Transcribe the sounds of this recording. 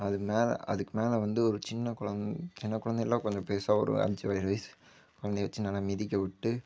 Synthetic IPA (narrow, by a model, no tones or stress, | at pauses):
ɐðɯmeːl̰ɐ̰ðɯkːɯmeːlɐʋɐnd̪ɯɔɾɯt͡ʃɪnːɐkʊɻɐnt͡ʃɪnːɐkʊɻɐnd̪ɛɪlːãːkɔɲd͡ʒɔ̃peːsaɔ̰ɾɯ̰ɐ̰ɾt͡ʃːɯʋɐjɾʋɐɪs | kʊɻɐnd̪ɛʋɐt͡ʃːɯnɐlamɪðɪkʲːɐʋɪʈːɯ